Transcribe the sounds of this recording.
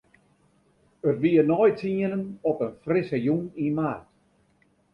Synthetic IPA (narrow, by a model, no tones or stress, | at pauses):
ərʋiənɔjtʰiənənɔpənfrɪsəjunimart